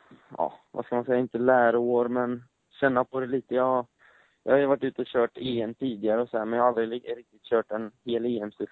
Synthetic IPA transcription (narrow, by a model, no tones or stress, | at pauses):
ɑ̰ːva̰skamansɛjaɪnt̪əlæːɾoːɾmɛn | ɕɛnːapʰɔd̪ɛliːt̪əjɑ | jʔɑ̰ːhajʉvaʈːʉ̟ːt̪əɔɕœːʈeːɛmt̪ʰiːd̪ɪɡaɾəɔsɔæːɾmɛnjahald̪ɾɪɪɾɪk̚t̪ɪt̪ɕœːʈɛnheːleːɛmst̪ɪl